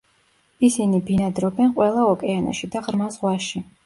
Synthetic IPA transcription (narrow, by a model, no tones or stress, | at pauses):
isinibinad̪ɾɔbɛnqʼwɛlˠaɔkʼɛana̰ʃid̪aʁɾmazʁwaʃi